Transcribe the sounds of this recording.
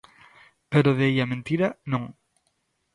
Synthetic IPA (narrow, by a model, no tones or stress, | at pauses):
peɾoðeeʎamẽnt̪iɾanõŋ